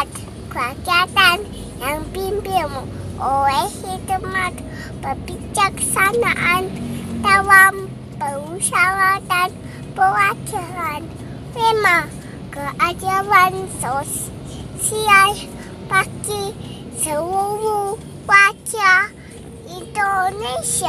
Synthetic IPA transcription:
t̪ | kʷakjat̪an | jaŋpimbemooehit̪əmat̪ | pəpit͡ʃaksanaʔant̪awam | pəwuʃawat̪an | pəwakəɾan | wema | kəʔataβansos | sial | paki | səwuwu | wʷakja | ind̪oneʃa

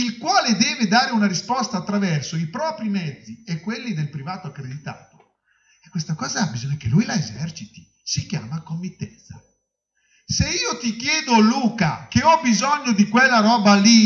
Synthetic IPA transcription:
ilkwaːled̪ɛːved̪aːɾeunaɾispɔst̪aːt̪ːɾavɛrsoipɾɔːpɾimɛd̪zːiekːwelːid̪elpɾivaːt̪oakːɾed̪it̪a̰ːt̪o̥ | ɛkːwest̪akɔːzaabizɔɲːak̟elːujlaezɛrt͡ʃit̪i̥ | sikja̰ːmakomːit̪ːɛnt̪sa̰ | seiːot̪ikjɛːd̪oluːkakeɔbizoɲːod̪ikwelːaɾɔːbali

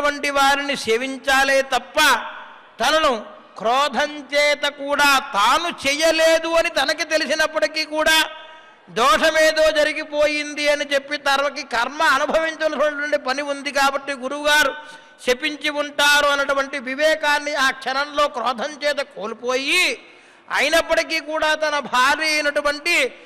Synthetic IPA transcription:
ɐɳʈiʋaːɾiniseːʋiɲt͡ʃaːleːt̪ɐpːɐ | t̪ɐnɐnu | kɾɔːd̪ʱɐɲt͡ʃɛːt̪ɐkuːɽaːt̪aːnut͡ʃɛːjɐleːd̪uɐnit̪ɐnɐkit̪e̞lisinɐpːɐʈikiːkuːɽaː | d̪ɔːʂɐmeːd̪o̞ːd͡ʒɐɾiɡipoːjind̪iɐnit͡ʃe̞pːit̪ɐɾɐʋɐkikɐɾmɐːnubʱɐʋiɲt͡ʃɐnɐʈuɐʈ̬uʋɐɳʈipɐniund̪ikaːbɐʈːiɡuɾuɡaːɾu | t͡ʃe̞piɲt͡ʃiuɳʈaːɾuɐnɐʈuʋɐɳʈiʋiʋɛːkaːnːiaːkʂɐnɐmlo̞ːkɾɔːd̪ʱɐɲt͡ʃɛːt̪̬ɐkoːlipoːji | ɐ̰jinɐpːɐʈikiːkuːɽaːt̪ɐnɐbʱaːɾiɐjnɐʈuʋɐɳʈi

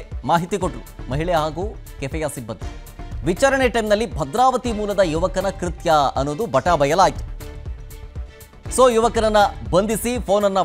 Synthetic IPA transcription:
maːɦit̪ikoʈːɾumɐɦiɭɛjɐɦaːɡuːkepʰɐjaːsibːɐnt̪u | ʋit͡ʃaːɾɐɳeʈɐjmnɐlːibʱɐd̪ɾaːʋɐt̪imuːlɐd̪ɐjuʋɐkɐnɐkɾit̪jɐɐ̰nːoːd̪ubʱɐʈaːbʱɐjɐlaːjit̪u̥ | soːjuʋɐkɐnɐnːɐbɐnd̪isipʰo̞ːnɐnːɐ

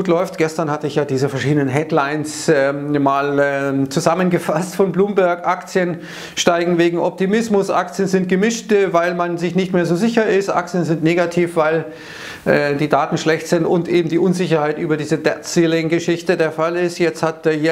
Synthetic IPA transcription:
uːtlɔʏftɡ̥ɛstɐnhatəɪçjaːdiːzəfɛɐʃiːdənənɦɛdlaɪnsɛmaːlɛːt͡suzamənɡəfastfɔnbluːmbæɐkʔakt͡sjən | ʃtaɪɡŋ̩veːɡŋ̩ʔɔp̚timɪsmʊsʔa̰kt͡sjənzɪnt̚ɡ̥əmɪʃtvaɪlmanzɪçtnɪçtmeːɐzoːzɪçɐɪstʔa̰k̚t͡sjənzɪntneːɡatʰiːfv̥aɪl | ʔɛːdiːdaːtn̩ʃlɛçtz̥ɪntʊntʔeːbm̩diːʔʊnzɪçɐhaɪtʔyːbɐdiːzədɛtsiːlɪŋɡəʃɪçtədeːɐfalɪstjɛt͡sthat̚ːj

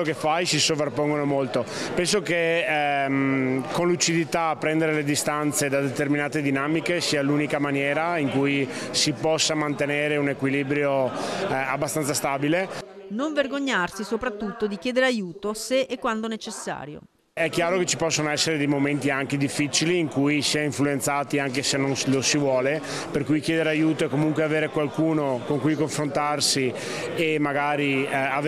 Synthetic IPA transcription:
okefːajsisovarpoŋɡonomolt̪opɛns̬oke | konlut͡ʃid̪it̪apːɾɛnd̪eɾeled̪ist̪ant̪sed̪ad̪et̪erminaːt̪ed̪inaːmikesiːaluːnikamanjɛːɾaiŋkujsipɔsːamant̪eneːɾeunekwilibɾjo | abːast̪ant̪sast̪aːbile | noɱverɡoɲːarsisopɾat̪ːut̪ːod̪ikjɛːd̪eɾeajuːt̪oseʔɛkːwand̪onet͡ʃesːa̰ːɾjo̰ | ɛkːjaːɾoket͡ʃːipɔsːonoɛsːeɾed̪ejmoment̪iaŋked̪ifːit͡ʃiliːŋkujsiaiɱfluent̪saːt̪iaŋkesenːonslosivwɔːle | perkujkjeːd̪eɾeajuːt̪oekːomuŋkweaveːɾekwalkuːnokoŋkujkoɱfɾont̪arsi | emːaɡaːɾia

